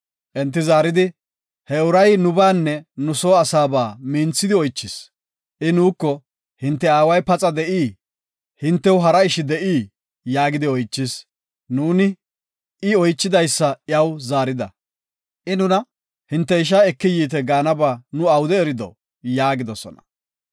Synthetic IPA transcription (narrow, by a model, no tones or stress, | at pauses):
ʔɛnt̪̬ːɪzaːɾɪd̪ɪ | hɛʊɾɐjnʊbaːnːɛnʊso̞ːɐsaːbaːmiːnt͡sːɪd̪ɪɔjt͡ʃːɪs | ʔɪnuːkːɔ | hɪnt̪ːɛaːwɐjpɐt͡sʼɐd̪ɛʔiː | hɪnt̪ːɛwɦɐɾɐɪʃɪd̪ɛʔiː | jaːɡɪd̪ɪɔjt͡ʃːɪs | nuːnɪ | ɪɔjt͡ʃːɪd̪ɐjsːɐjɐwzaːɾɪd̪ɐ̰ | ʔɪnʊnɐ | hɪnt̪ːɛɪʃ̬aɛkːɪjiːt̪̬ɛɡaːnɐbaːnʊɐwd̪ɛɛɾɪd̪ɔ̰ | jaːɡɪd̪ɔsɔ̰nɐ̥̰